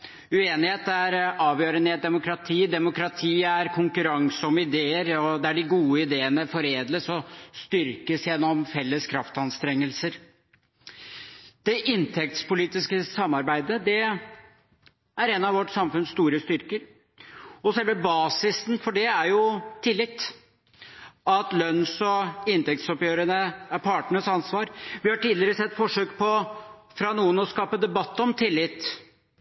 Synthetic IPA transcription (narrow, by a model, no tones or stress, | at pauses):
ʉeːnɪheːt̪æɾɑːʋjøːɾəneːd̪ɛmʊkɾɑt̪ʰiːd̪ɛmʊkɾɑt̪ʰiːæɾkʰʊŋkʉɾɑŋsɔməɪd̪eːəɾɔd̪ɛæɖɪɡuːəɪd̪eːənəfɔɾeːd̪ləsɔst̪ʏɾkəsjɛnːɔmfɛlːəskʰɾɑft̪ɑnst̪ɾɛŋːəlsəɾ | d̪̥ɛʔɪnt̪ʰɛk̚t̪spʊliːt̪ɪskəsɑmːɑɾbæɪd̪əd̪ɛ | æɾɛnɑʋɔʈːsɑmfʉnst̪uːɾəst̪ʏɾkəɾ | ɔsɛlʋɛbɑːsɪsn̩fɔɖɛæɾjʊt̪ʰɪlːɪt̪ː | ɑt̪lœnːsɔɪnt̪ɛk̚t̪sɔpjøːɾənəæɾpʰɑːʈəɳəsɑnsʋɑːɾʋɪhɑʈiːd̪lɪəɾəsɛt̪ːfɔʂøːkpʰɔfɾɑnuːənɔskɑːpəd̪ɛbɑt̪ːɔmt̪ʰɪlːɪt̪ː